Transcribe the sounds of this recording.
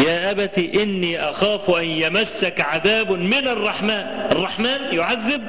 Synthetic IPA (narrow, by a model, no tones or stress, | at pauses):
jaːʔabæt̪iːʔɪnːiːʔaxaːfʔanjamasːakʕaðaːbmɪnɑrˤːɑħmaːnʔɑrˤːɑħmaːnjʊʕaðːɪb̚